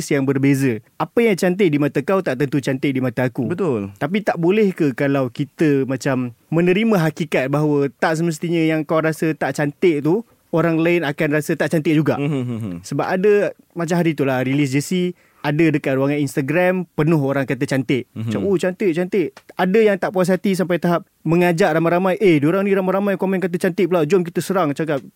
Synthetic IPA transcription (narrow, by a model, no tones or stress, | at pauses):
sjaŋbərbezəapəjaŋt͡ʃant̪̬ɪʔ̚dimat̪akawt̪aʔt̪ənt̪ut͡ʃant̪ɪʔ̚dimat̪aːkubət̪ʊlt̪ap̬it̪aʔbolɛhkəkalawkit̪əmãt͡ʃamːə̃nə̃ɾimãɦakikat̪̚baɦawət̪aʔs̬əməs̬t̪iɲəjaŋkawɾasət̪aʔt͡ʃant̪eʔt̪u | oɾaŋlaɪnakanrasət̪aʔt͡ʃant̪ɪʔ̚d͡ʒuɡaʔsəbap̚adə | mat͡ʃamɦaɾit̪ulaɾilis̬d͡ʒəsi | adədəkat̪̚ɾuwaŋaninst̪aɡɾampənʊɦoɾaŋkat̪̬ət͡ʃant̪eʔat͡ʃaot͡ʃant̪eʔt͡ʃant̪eʔadəjaŋt̪aʔpuas̬at̪is̬ampajt̪aɦap̚ | məŋad͡ʒaʔɾamajɾamajʔehdioɾaŋnĩɾamajɾamajkamɛnkat̪̬ət͡ʃant̪ɪʔ̚pəlawd͡ʒɔmk̬it̪əsəɾaŋt͡ʃak̬ap̚